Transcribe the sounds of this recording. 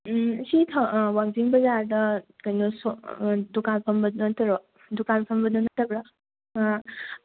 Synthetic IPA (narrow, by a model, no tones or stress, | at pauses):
sitʰawaŋziŋbɐzaɾdɐkɐjnosɔdukanpʰɐmbɐɐtɐɾo | dukanpʰɐmbɐdɐnɐtːɐbɾa